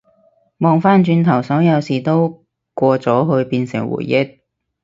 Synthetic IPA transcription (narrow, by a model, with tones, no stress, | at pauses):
mɔː˨˧ŋfaː˥nt͡ʃyː˧nt̪ʰɐ˨˩wsɔː˨˥jɐ˨˧wsiː˨˩t̪o˥w | kʷɔː˧t͡sɔː˨˥ɦɵ˧ɥpiː˧nsɪ˨˩ŋwṵː˨˩jːɪ˥k̚